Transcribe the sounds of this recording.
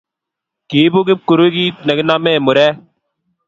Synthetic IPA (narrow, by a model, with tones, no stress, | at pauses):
kiːbo˦ɡɪp̚kʊ˨ɾu˦ɡiːnɐ˨ɡnaːmẽː˦mʊ˨ɾɛː˦